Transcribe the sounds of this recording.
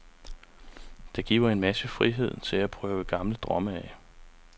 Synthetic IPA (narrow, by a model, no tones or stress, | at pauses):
d̥ɑ̈ɡ̥ḭːʊɐe̝nmæsəfʁiɦe̝ð̞̰ˠt͡sʰe̝æpʰʁœːʊəɡ̥ɑ̈mləd̥ʁɒ̽məæ